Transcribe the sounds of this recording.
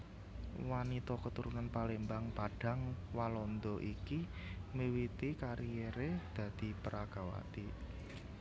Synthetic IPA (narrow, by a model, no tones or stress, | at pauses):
wanit̪ɔkət̪uɾunanpalembaŋpaɖ̥a̤ŋwalɔnd̪ɔʔikimiwit̪ikaɾijeɾed̪̥ä̤d̪̥i̤pəɾaɡ̥a̤wa̰t̪i